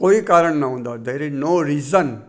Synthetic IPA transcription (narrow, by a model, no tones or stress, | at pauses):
koːikaːɾəɳ̃naɦũːnd̪ad̪eɾinoːɾiːzə̃n